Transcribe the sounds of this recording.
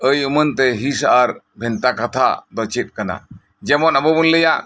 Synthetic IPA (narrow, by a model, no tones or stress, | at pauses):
əjumənt̪ɛɦisaʔaɾ | bʱɛnt̪akat̪ʰad̪ɔt͡ʃʰit̪̚kana̰ | d͡ʒɛmɔnabɔbunləjaʔ